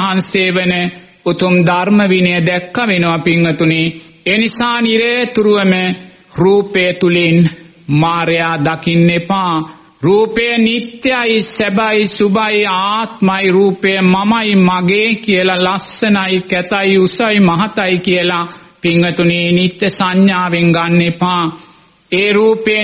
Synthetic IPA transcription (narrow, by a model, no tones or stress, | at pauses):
ɦanseːʋənə | ut̪umd̪aɾməʋinejəd̪ɛkːaʋenuʋapiŋːət̪uneː | nisaːniɾət̪uɾuʋəmə | ɾuːpejət̪ulin | maːɾejaːd̪akinːepaː | ɾuːpejənit̪ːjaisɛbaisubajaːt̪majɾuːpejəmamajmaɡeːkijəlalasːənaikɛt̪ajusajmaɦat̪aikijəla | piŋːət̪unenit̪ːjəsaɲjaːʋeŋɡanːepaː | eːɾuːpe